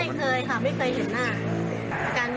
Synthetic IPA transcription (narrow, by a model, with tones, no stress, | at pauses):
jkʰɤː˧jkʰa˧˥˩ma˥˩jkʰɤː˧jɦe˩˦nːaː˥˩ | ʔa˧kaː˧n